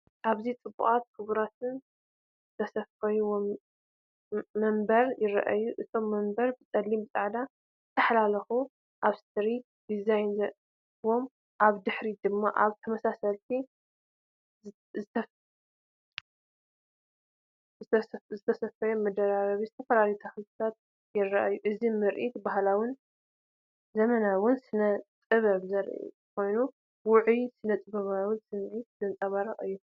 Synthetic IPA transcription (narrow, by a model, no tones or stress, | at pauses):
ʔaβzit͡sʼɨbːṵχʼat̪̚kʰɨβɾat̪ʰɨn | zɨt̪ʰɐsɐfɐjwm | ɐmbɐɾjɪɾɐ̰ʔa̰jːuʔɨt̪ʰo̞mːɐmbɐɾbɨt͡sʼɐlːimbɨt͡sʼɨʕd̪a | zɨt̪ʰɐħlalɐxu | ʔaβst̪ʰɾi | d̪̥izajnz | wo̞m | ʔaβd̪ɨħɾid̪ɨmːaʔaβt̪ʰɐmɐsasɐlt̪ʰi | zɨɐ | zɨt̪zɨt̪ʰɐsɐfɐjɛmɐd̪ɐɾaɾɐβizɨt̪ʰɐfɐlalijt̪ʰaxɨzɨt̪ʰat̪̚ | jɛrːɐʔajuʔɨzimɨɾʔit̪baɦlawɨn | zɐmɐnawʊnsɨnɐt̪ʼɨβɐβzɐɾʔḭ | kʰo̞jnu | wʊʕjsɨnɐt̪ʼɨβɐβawɨnsɨmʕit̪̚z̥ɨnt͡sʼɐβaɾɐ̰ʔɨjːu